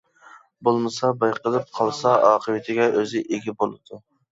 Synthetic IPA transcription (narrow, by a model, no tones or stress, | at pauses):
bolˠmɨsɑbɑjqʰəlˠɨp̚qʰɑlˠsɑʔɑːqʰəvɪt̪ʰɪɡʲɛʔøzɪʔeɡʲɛbolˠɨd̪̥u